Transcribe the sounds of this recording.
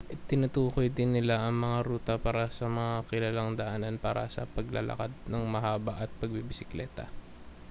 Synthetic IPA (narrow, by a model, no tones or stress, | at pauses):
ʔt̪ɪnɐt̪uːkojd̪ɪnːɪlaʔɐŋmɐŋaɾuːt̪ɐpaːɾɐsɐmɐŋakɪlalaŋd̪ɐʔaːnɐnpaːɾɐ̰sɐ̰pɐɡlɐ̰lɐ̰kad̪̚nɐŋmɐɦaːbɐʔɐt̪̚pɐɡ̚bibɪsɪklɛːt̪ɐ̰